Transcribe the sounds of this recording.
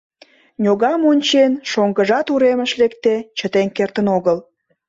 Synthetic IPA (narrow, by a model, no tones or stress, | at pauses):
nʲoɣɑmonʲt͡ɕenʃoŋɡəʒɑt̪uɾeməʃlekt̪et͡ɕət̪eŋkert̪ənoɣəl